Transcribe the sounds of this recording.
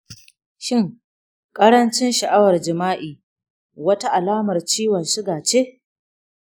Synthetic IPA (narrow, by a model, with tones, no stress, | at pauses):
ʃɪ˦˨ŋ | kʼɐ˦ɽɐ˦nt͡ʃɪ˦nʃɐ˨ʔa˦wɐ˨rd͡ʒɪ˨maː˦ʔiː˨ | wɐ˦ta˦ʔa˨laː˦mɐ˨rt͡ʃiː˦wɐ˨nʃɪ˦ɡaː˨t͡ʃe˦ʔ